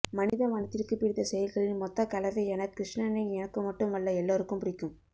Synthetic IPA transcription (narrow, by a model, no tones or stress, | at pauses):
mɐnɪðɐʋɐnɐt̪ːɪrkɯpɪɽɪt̪ːɐsɛjɐlɣɐɭɪnmɔt̪ːɐkɐlɐðɐɪɛnɐkːɾɪʂɳɐnɐɪɛnɐkːɯmɐʈːɯmʋɐɭːɐɛlːoːɾɯkːɯmpʊɽɪkːɯm